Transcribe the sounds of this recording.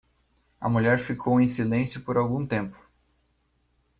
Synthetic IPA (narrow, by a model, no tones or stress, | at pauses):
ɐ̰muʎɛɾfikʰowẽj̃silẽsjʊpoɾawɡũt̪ẽmpʊ̥